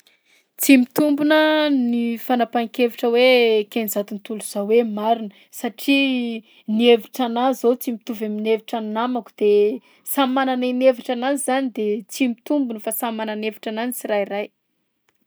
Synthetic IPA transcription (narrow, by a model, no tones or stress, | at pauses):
t͡simit̪umbunənifanapaŋkeviʈ͡ʂəwekenizat̪unit̪uluz̥awemaɾinə | saʈ͡ʂi | nieviʈ͡ʂanazot͡simit̪uvamineviʈ͡ʂannamaku̥d̪̥e | samananinevaʈ͡ʂananizanid̪et͡simit̪umbunəfasamananevi̥ʈ͡ʂananit͡siɾajraj